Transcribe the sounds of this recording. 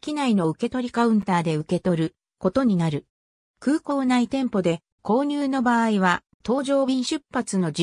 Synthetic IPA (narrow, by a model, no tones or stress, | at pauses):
kʲinaino̞ɯ̟ke̞t̪o̞ɾʲikaɯ̟̃nt̪aːd̪e̞ɯ̟ke̞t̪o̞ɾɯ̟ | ko̞t̪o̞ɲ̟inaɾɯ̟ | kɯ̟ːko̞ːnait̪ẽ̞mpo̞d̪e̞ | ko̞ːɲ̟ʲɨːno̞baːiβa | t̪o̞ːʑo̞ːbʲĩɰ̃ɕɨpːat͡sɨno̞d͡ʑ